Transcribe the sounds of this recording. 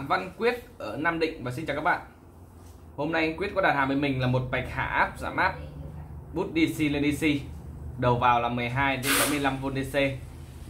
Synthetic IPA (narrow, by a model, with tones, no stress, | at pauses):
va˧nkwi˦˥ət̚ʔəː˧˩naː˧mɗḭ̈˧˨ŋ̟vaː˨˩si˧nt͡ɕaː˨˩kaː˦˥k̚ɓa̰ː˧˨n | ho˧mna˧jʔa˧ŋkwt̚kɔ˨˦ɗaː˨˩t̚haː˨˩mvəː˧˩˦mï˨˩ŋ̟laː˨˩mo˨˩t̚ɓa˨˩jk̟̚ha̰ː˧˩ʔaː˦˥p̚za̰ː˧˩mʔaː˦˥p̚ɓu˦˥t̚ɗi˧si˧le˧ni˧si˧ɗə˨˩wvaː˨˩wlaː˨˩mɨ˨˩əjɦaː˧jt͡ɕe˨˧˦msa˨˦mɨ˧əjla˧mvo˧nɗi˧se˧